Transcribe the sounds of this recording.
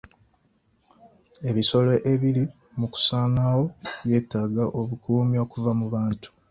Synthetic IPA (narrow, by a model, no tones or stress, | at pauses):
e̞βiso̞lo̞ʔeβili | muku̥saːnawo̞βje̞ːtːaɡaʔo̞βukʰuːmio̞ːkuvamuβaːntu̥